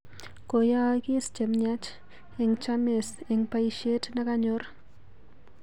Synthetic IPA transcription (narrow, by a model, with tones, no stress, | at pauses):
ko˨ja˦ki˦st͡ʃe˨mɲa˦t͡ʃ | e˨ŋt͡ʃa˦mɪ˨se˨ŋpa˨iʃe˦tna˦ka˦ɲo˦ɾ